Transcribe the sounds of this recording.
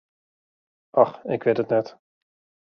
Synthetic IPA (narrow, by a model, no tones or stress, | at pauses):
ʔɑχɪkʋetətnɛt